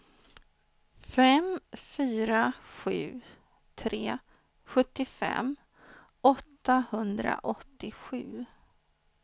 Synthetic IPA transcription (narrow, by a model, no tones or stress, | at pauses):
fɛmfyːɾaɧʉ̟ː | t̪ʰɾeː | ɧɵt̪ːɪfɛ̰m | ʔɔt̪ːahɵnd̪ɾa̰ʔɔt̪ːɪɧʉ̟ː